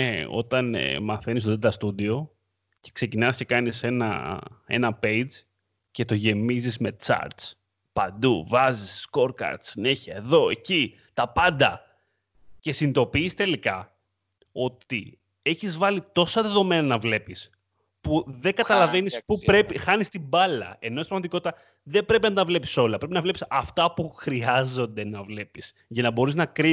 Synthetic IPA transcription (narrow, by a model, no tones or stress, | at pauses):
eo̞̰t̪ɐnmɐθe̞nist̪od̪et̪ɐst̪ud̪io̞ | ce̞̥kse̞cinɐsce̞kɐnise̞nɐ̰e̞̰nɐpe̞jd͡z | ce̞t̪o̞ʝe̞mizizme̞t͡sɐ̰ɾt̪s | pɐnd̪uvɐzisːko̞ɾkɐ̰ɾt̪sine̞çiɐeðo̞e̞ci | t̪ɐpɐnd̪ɐ | ce̞sind̪o̞piːst̪e̞likɐ | o̞t̪ḭ | e̞çizvɐlit̪o̞sɐðe̞ðo̞me̞nɐnɐvle̞pis | puðe̞ŋɡɐt̪ɐlɐve̞nispuɾe̞pixɐnist̪ibɐlɐ̰enost̪ipɾɐɣmɐt̪ikot̪it̪ɐ | ðe̞bɾe̞p̬inɐt̪ɐvle̞pi̥so̞lɐpɾe̞pinɐvle̞pisɐft̪ɐpuxɾiɐzo̞nd̪e̞nɐvle̞pis | ʝɐnɐbo̞ɾiznɐkɾi